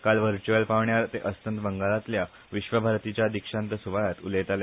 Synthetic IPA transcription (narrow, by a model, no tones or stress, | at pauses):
kalʋəɾt͡ɕuʋəlpaʋɳjaɾt̪eʔəst̪ənt̪bəŋɡalat̪lja | ʋiɕʋəbʱaɾt̪it͡ɕjad̪ikʂãnt̪əsuʋajat̪ulet̪al